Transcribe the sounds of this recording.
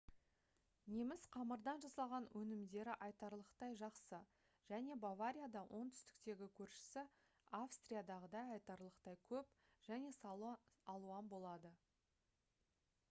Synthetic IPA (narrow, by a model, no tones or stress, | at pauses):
ne̞mɪzqʰɑməɾd̪ɑnʒɑsɑʁɑnwʔɵnɪmd̪e̞ɾɪʔɑjt̪ɑɾlˠəqt̪ɑjʒɑqsə | ʒ̥æne̞bavaɾʲijad̪ɑwʔo̞ɴt̪ʰʏ̥st̪ɪ̥k̚t̪e̞ɡʲɪkʲʰɵɾʃɪ̥sɪ | afst̪rijad̪ɑʁəd̪ɑjɑjt̪ɑɾlˠəqt̪ɑjkʲʰɵp | ʒ̥æne̞sɑlˠuɑnbo̞lˠɑd̪ə